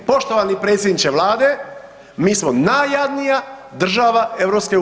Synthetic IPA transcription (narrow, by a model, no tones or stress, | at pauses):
po̞ʃt̪oʋanipɾet̪sʲjed̪nit͡ʃe̞ʋlaːd̪e | miːsmonajad̪nijad̪r̩ʒaːʋae̞ʋɾo̞pske̞